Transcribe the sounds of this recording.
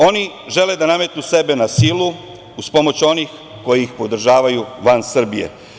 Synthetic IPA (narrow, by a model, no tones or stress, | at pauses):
o̞ni | ʒe̞le̞d̪aname̞t̪nuse̞be̞nasiːlu | uspo̞mo̞t͡ɕo̞niːx | ko̞jiixpo̞d̪r̩ʒaːʋajuʋansr̩bije̞̰